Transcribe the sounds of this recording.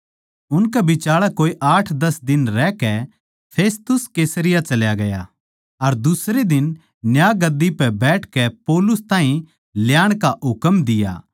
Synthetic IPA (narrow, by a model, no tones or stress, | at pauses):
ʊnkɛbɪt͡ʃaːɭakoːiʔaːʈʰd̪ɐsd̪ɪnɾɛkɛ | pʰeːst̪ʊskeːsəɾɪjat͡ʃɐljaɡɐja | ɐɾd̪ʊsɾed̪ɪn | njaːɡɐd̪ːipɛbɛːʈʰkɛpoːlʊst̪ãːɦĩ | ljaːɽ̃kaɦʊkəmd̪ɪja̰ː